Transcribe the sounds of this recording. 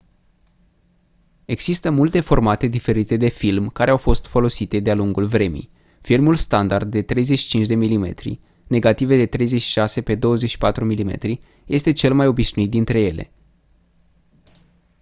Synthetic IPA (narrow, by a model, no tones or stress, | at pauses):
e̞ɡz̥ist̪əmult̪e̞fo̞rmat̪e̞d̪ife̞ɾit̪e̞d̪e̞filmkaɾeawfo̞st̪fo̞lo̞sit̪e̞d̪ealuŋɡulvɾe̞mḭ | filmulst̪and̪ard̪̚ːe̞t̪ɾe̞jzet͡ʃʃi̥t͡ʃint͡ʃd̪e̞milime̞̰t̪ɾḭ | ne̞ɡat̪ived̪e̞t̪ɾe̞jze̞t͡ʃʃi̥ʃase̞pe̞d̪o̞wəzeʃi̥pat̪ɾumilime̞̰t̪ɾi | je̞st̪e̞t͡ʃe̞lmajo̞biʃnuit̪̚d̪int̪ɾe̞je̞le̞̰